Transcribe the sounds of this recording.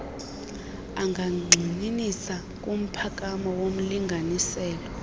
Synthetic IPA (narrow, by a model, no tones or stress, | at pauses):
aŋɡʱaŋ͡ǀʱininisa | k̬ʼum̩pʰak̬ʼamɔwom̩liŋɡʱanisɛːlɔ